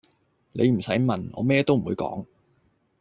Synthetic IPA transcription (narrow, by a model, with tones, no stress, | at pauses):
le˨˧jm̩˨˩sɐ˨˥jmɐ˨nɔ̰ː˨˧˥mɛː˥t̪o˥wm̩˨˩uː˨˧jkɔ̰ː˨˥ŋ